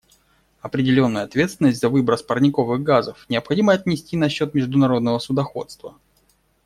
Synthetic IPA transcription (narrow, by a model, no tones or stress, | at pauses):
ɐpɾʲɪdʲɪlʲo̞nːəjəɐt̪vʲe̞t̪st̪vʲɪnːəsʲtʲzɐvɨbɾəspərnʲɪko̞vɨɣɡazəfnʲɪəpxɐdʲiməɐt̪ʲnʲɪsʲtʲinɐɕːo̞t̪mʲɪʐd̪ʊnɐɾo̞d̪̚nəvəsʊd̪ɐxo̞̰t̪st̪və